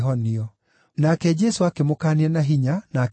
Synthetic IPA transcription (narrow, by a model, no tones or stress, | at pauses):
ɦɔniɔ | nakɛd͡ʒɛsoakemokaːniɛnaɦiɲanaːk